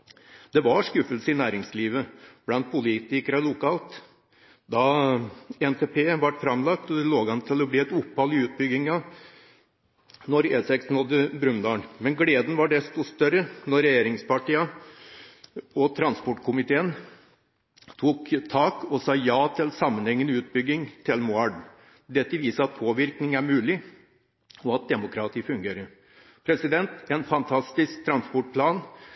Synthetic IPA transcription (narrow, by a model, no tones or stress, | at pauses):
d̪̥ɛʋɑɾʂkʉfəlsəɪnæːɾɪŋsliːʋəb̥lɑnt̪̚pʰʊliːt̪ɪkəɾɔlʊkʰɑːlt̪ | d̪ɑ | ɛnt̪ʰeːpʰeːʋɑʈfɾɑmlɑkt̪ɔd̪ɛloːɡhɑnt̪ʰɪlɔbliːɛt̪ʊpːhɑlɪʉːt̪̚bʏɡɪŋɑ | nɔɾeːsɛksnɔd̪ːəbɾʉnd̪ɑːɳmɛnɡleːd̪n̩ʋɑɖɛst̪ʊst̪œɾənɔɾɾɛjeːɾɪŋspʰɑʈiːɑ | ɔt̪ʰɾɑnspɔʈkʰʊmɪt̪ʰeːən | t̪ʰuːkt̪ʰɑːkɔsɑːjɑːt̪ʰɪlsɑmːənhɛŋːənʉːt̪̚bʏɡːɪŋt̪ʰɪlmʊɑɖ | d̪ɛt̪ːəʋiːsəɾɑt̪̚pʰoːʋɪɾknɪŋæɾmʉːlɪ | ɔɑt̪̚d̪ɛmʊkʰɾɑt̪ʰiːfʉŋɡeːɾəɾ | pʰɾɛsɪd̪ɛnt̪ɛnfɑnt̪ʰɑst̪ɪsk̚t̪ʰɾɑnspɔʈ̚pʰlɑːn